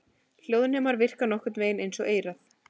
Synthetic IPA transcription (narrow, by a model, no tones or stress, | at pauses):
l̥joːwðnʏmaɾvɪr̥kanɔhkʏt̪nveːjnejnsɔɣeːjɾaθ